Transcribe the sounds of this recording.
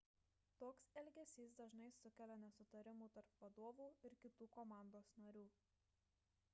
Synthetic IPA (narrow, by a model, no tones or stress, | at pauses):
t̪oːksɛlʲɡʲɛsʲiːsd̪ɐʒnɐɪsʊkʲɛlʲonʲɛsʊt̪ɐɾʲɪmuːt̪ɐɾpʋɐd̪oːʋuːɪɾkʲɪt̪uːkɔmɑˑnd̪oːsnɐɾʲuː